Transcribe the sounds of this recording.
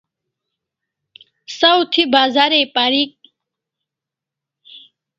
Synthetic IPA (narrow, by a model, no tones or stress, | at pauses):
sɐwt̪ʰibaːzaɾepaɾik̚